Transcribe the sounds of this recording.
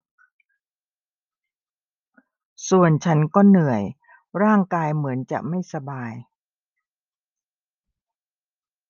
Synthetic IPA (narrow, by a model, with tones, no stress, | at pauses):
su˨˩ənt͡ɕʰa˦˥nkɔː˥˩nɯ˨˩əj | ɾaː˥˩ŋkaː˧jmɯ˩˦ənt͡ɕa̰˨˩ʔma˥˩jsa˧baː˧j